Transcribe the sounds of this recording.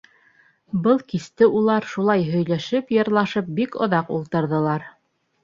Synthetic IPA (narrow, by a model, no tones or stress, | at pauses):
bɤlˠkist̪ɘulˠɑɾʃulˠɑjɦɵ̆jlæʃɘpjɤ̆ɾlˠɑʃɤp̚bikŏ̰ðɑqṵlˠt̪ɤ̆ɾðɤ̆lˠɑɾ